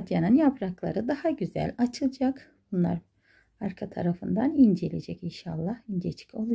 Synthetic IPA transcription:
ad̪janɯnjapʰɾaklˠa̰ɾɯd̪ahaɟyzæ̰lʲat͡ʃʰɯlˠd͡ʒak | bunlˠa̰ɾ | aɾkʰat̪ʰa̰ɾafɯnd̪anind͡ʒe̞lʲḛd͡ʒɛcinʃalˠːahind͡ʒet͡ʃʰi̥cʰo̞lˠu

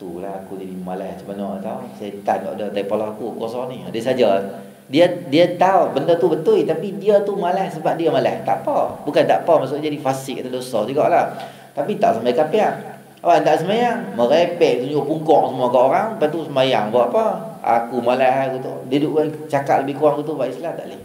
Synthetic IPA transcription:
t̪ṵlahakud͡ʒadimalahsəbənɔat̪ausaət̪ankɔ̰ʔdət̪aipalɔɦakukuasɔniadəsad͡ʒə | diədiət̪aubəndət̪ubət̪ujt̪apidiət̪umalahsəbap̚diəmala̰ht̪a̰ʔpəbukant̪a̰ʔpəmaʔsuʔd͡ʒadifasɪk̚at̪adosət̪əɡɔ̰ʔlah | t̪apit̪a̰ʔsamajakapia | awaʔnt̪aʔsəmajaŋməɾapɛʔt̪uɲd͡ʒuʔpuŋkɔŋsəmuakaʔoɾaŋpat̪usəmajaŋbaʔapəa̰kumalaɦajkut̪ṵʔdiduʔa | t͡ʃaka̰t̪̚ləbɪhkuaŋkut̪̬ubaʔislamt̪a̰ʔləh

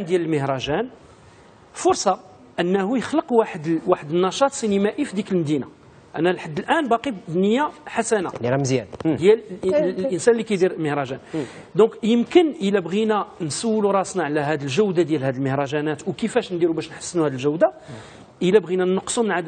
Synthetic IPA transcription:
nd̪jæləlməhɾˤɑʒæn | fʊɾsˤɑ | ʔənːæhujəxləqwaħəd̪waħəd̪ənːɑʃɑt̪sinimæʔifid̪ikəlmd̪ina | ʔæ̰nːælħad̪ːəlʔænbɑqid̪nəjːaħasænamzjænd̪jælʔənsænlːikæjd̪iɾlməhɾˤɑʒæn | d̪ɔ̃kjəmkənʔəlæbɣinænsəwːluɾˤɑsnaʕlæɦæd̪əlʒəwd̪ad̪jælhæd̪əlməhɾˤɑʒænæt̪wkəfæʃnd̪iɾubæʃnħə̥sːənuhæd̪əlʒəwd̪a | ʔəlæbɣinænəqːsˤumənʕad̪

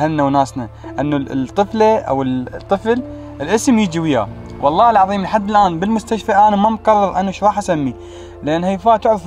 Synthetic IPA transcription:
halnawnaːsna | ʔanːat̪ˤːɨflaʔa̰wət̪ˤːɨfl | ɪlʔɪsmjɪd͡ʒiwɪja̰ | wʔɑlˤːɑːhɪlʕɑðˤiːmlħad̪ːɪlʔaːnbɪlmʊst̪aʃfaʔaːnamamqɑrˤːɨɾˤʔanːaʃɾˤɑːħʔasamːi | lʔanhajfaːt̪ʊʕɾɑ

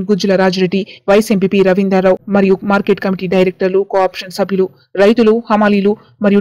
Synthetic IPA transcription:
ɡud͡ʒulɐɾaːd͡ʒɐɾeɖiʋɐjɐsempiːpiɾɐʋind̪ɐɾːɐwmɐɾijumaːɾkeːʈkɐmiʈiːɖɐjɾek̚ʈɐɾlukoaːpʂɐnsɐbʱjulu | ɾɐjt̪uluhɐmaːliːlu | mɐɾiju

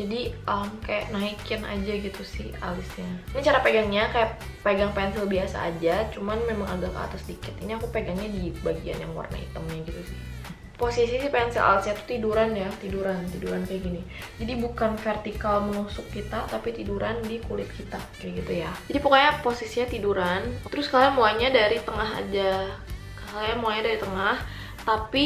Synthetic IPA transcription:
d͡ʒadiəmkaja̰ʔnaikɪnʔa̰d͡ʒaɡit̪usɪha̰lɪsɲainit͡ʃaɾapeɡaŋɲakaja | peɡaŋpɛnsɪlbiasa̰ːd͡ʒat͡ʃumanmemaŋaɡakə̰a̰t̪asdikɪt̪iniakupeɡaŋɲadibaɡia̰nja̰ŋwa̰rna̰ḭt̪əmɲaɡit̪usɪh | posisisɪpɛnsɪlʔa̰lɪsɲat̪u̥t̪iduɾanjat̪iduɾant̪iduɾankajaɡini | d͡ʒadibukanfɛrt̪ikalməlusʊkːit̪at̪apit̪iduɾʔandikulɪt̪̚kit̪akajɡit̪ujad͡ʒadipəkaɲaposisiɲat̪iduɾant̪əɾʊskalajamoaɲadaɾit̪əŋaɦa̰d͡ʒa | kaljamoaɲadaɾit̪əŋah | t̪api

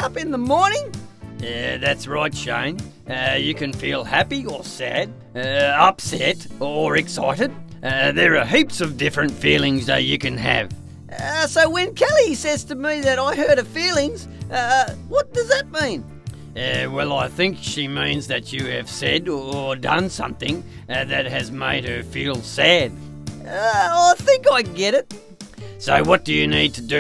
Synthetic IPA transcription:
ʌpɨ̃nðəmɔɹnɪ̃ŋ | ðætsɹaɪtʃḛ̃ɪ̃n | ʌjɨkɨ̃nfilˠhæpiə˞sæ̰d̚ | ʌpsɛɾə˞ɨksa̰ɪɾɨd̚ | ʌðə˞ːɦipsʌvdɪfɹɨ̃ntfilˠɪ̃ŋzðɨ̰t͡ʃɨkɨ̃nɨ̰v̥ | soʊwɨ̃nkʰɛlˠisɛz̥tʰɨmiðɨɾaɪɦɜ˞ɾʌv̥filˠɪ̃ŋz̥ʌwʌt̚d̥ʌzðɨt̚mĩn | ʌwɛlˠaɪθɪ̃ŋkʃimĩnzðɨt͡ʃɨɨv̥sɛɾə˞dʌ̰̃nsʌ̰̃mθɪ̃ŋ | ðɨt̚ɦɨzmḛɪd̚ə˞filˠsæd̥ | ʌaɪθɪ̃ŋkaɪɡɛɾɪt̚ | soʊwʌt̚d̥ɨjɨnid̚tʰɨdɨ

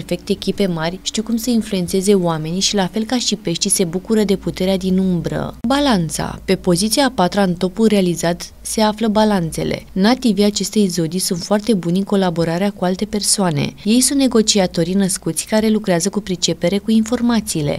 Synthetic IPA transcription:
rfe̞k̚t̪eːkʲipe̞marʲʃt̪iwkumsəinflue̞nt̪se̞ze̞oame̞niʃilafe̞lkaʃipe̞ʃt̪ise̞bukuɾəd̪e̞put̪e̞ɾead̪inumbɾə̰balant̪sa̰pe̞po̞zit̪siapat̪ɾaɨnt̪o̞pulrealizat̪ | se̞afləbalant̪se̞̰le̞̰nat̪iviat͡ʃe̞st̪ezo̞d̪isunt̪foart̪e̞bunʲɨŋko̞labo̞ɾaɾeakualt̪e̞pe̞rsoanḛje̞jsunt̪ne̞ɡo̞t͡ʃiat̪o̞ɾinəskut̪sʲkaɾe̞lukɾeazəkupɾit͡ʃe̞pe̞ɾe̞kuinfo̞rmat̪siːle̞̰

